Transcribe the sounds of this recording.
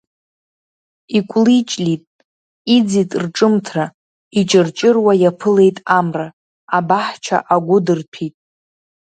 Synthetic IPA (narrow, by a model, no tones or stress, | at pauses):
ikʷʼlit͡ʃʼlitʼ | id͡zitʼrʈ͡ʂʼɨmtʰra | it͡ʃʼɨrt͡ʃʼɪrwajapʰɨle̞jtʼamra | abaħt͡ʃʰa̰ʔaɡʷʊdɨrpʰitʼ